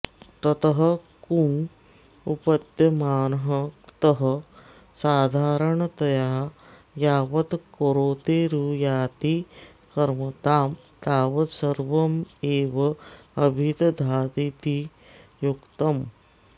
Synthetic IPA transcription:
t̪ɐt̪ɐɦɐ̆ | kum | upɐd̪jɐmaːnɐɦɐt̪ɐɦɐ | saːd̪ʱaːɾɐɳɐt̪ɐjaː | jaːʋɐt̪koɾoːt̪eːɾuːjaːt̪i | kɐɾmɐt̪aːm | t̪aːʋɐsɐɾʋɐmeːʋɐɐbʱit̪d̪ʱaːt̪it̪i | jukt̪ɐm

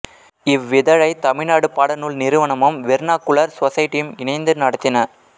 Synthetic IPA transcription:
ɪʋːɪðɐɻɐɪt̪ɐmɪɻnaːɽɯpaːɽɐnʊɭnɪɾɯʋɐɳɐmɐmʋɛɾnaːkːʊɭɐɾsɐsɐjɪʈːɪjɯmɪɳɐɪnd̪ɯnɐɽɐt̪ːɪnɐ

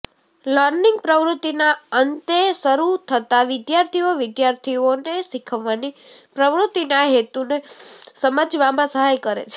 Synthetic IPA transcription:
ləɾnĩŋɡ̚pɾəʋɾut̪inaənt̪esəɾut̪ʰət̪aʋɪd̪jaɾt̪ʰioʋɪd̪jaɾt̪ʰionesikʰəʋːani | pɾəʋɾut̪inaɦet̪unesəməd͡ʒʋamãsəɦajkəɾḛt͡ʃʰe̥

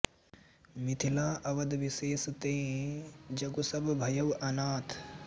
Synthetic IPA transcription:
mɪt̪ʰilaːʔɐʋɐd̪ʋɪseːst̪ẽː | d͡ʒɐɡosɐbbʱɐjɐʋɐnaːt̪ʰ

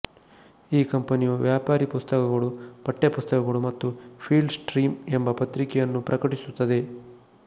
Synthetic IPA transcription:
iːkɐmpɐnijuʋjaːpaːɾipust̪ɐkɐɡɐɭupɐʈːepust̪ɐkɐɡɐɭumɐt̪ːupʰiːɭɖsʈɾiːmembɐpɐt̪ɾikɛjɐnːupɾɐkɐʈisut̪ːɐd̪e̞

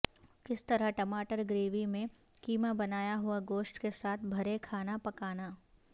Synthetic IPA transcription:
kɪst̪ɐɾəɦʈɐmaːʈəɾɡɾeːʋimẽ | kiːmabɐnaːjaɦʊaɡoːsʈkesaːt̪ʰbʱɐɾekʰaːnapɐkaːnaː

